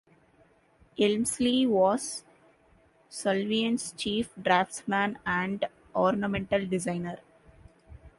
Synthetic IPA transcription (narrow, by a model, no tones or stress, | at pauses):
ɪlmsliʋɔːz | sʌlʋiə̃nst͡ʃiːfɖɾaːfʈmæ̃næ̃ɳɖ | ʔɔːɾnamɛ̃ɳʈəlɖɪzãɪ̃nəɾ